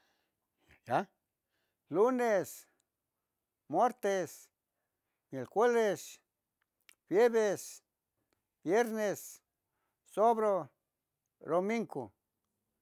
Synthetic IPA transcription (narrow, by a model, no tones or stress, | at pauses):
aja | lunes | mwaɾt̪es | milxweβes | bjeβes | bjeɾnes | soβɾo | ɾomiŋko̰